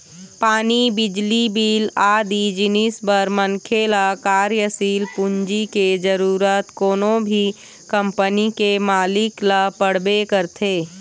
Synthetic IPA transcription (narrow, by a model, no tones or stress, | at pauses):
paːnibɪd͡ʒlibiːlaːd̪id͡ʒɪnɪsbəɾmənkʰelakaːɾjəsiːlpund͡ʒiked͡ʒəɾuːɾət̪koːnõbʱi | kə̃mpənikemaːlɪkləpəɽbekəɾt̪ʰeː